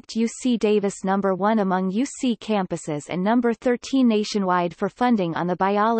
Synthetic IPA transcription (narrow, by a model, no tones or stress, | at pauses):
k̚tʰjʉsideɪvɨsnʌ̃mbə˞wʌ̃nəmʌ̃ŋjʉsikʰæ̃mpɨsɪzɨ̰̃nːʌ̃mbə˞θɜ˞tʰĩnːeɪʃɨ̃nwaɪd̥fə˞fʌ̃ndɪ̃ŋə̰̃nðəbaɪɑlˠ